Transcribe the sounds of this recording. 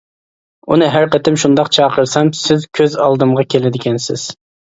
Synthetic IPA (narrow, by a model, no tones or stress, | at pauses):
unɨɦæɾqət̪ʰɪmʃund̪ɑqt͡ʃʰɑːqʰəɾsɑmsɪzkʲʰøzɑlˠd̪ɨmʁɑkʲʰelɪd̪ɪkʲɛnsɪ̰z̥